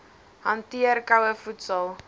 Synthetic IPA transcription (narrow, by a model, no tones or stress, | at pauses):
hɐntiərkɐwəfutsəlˠ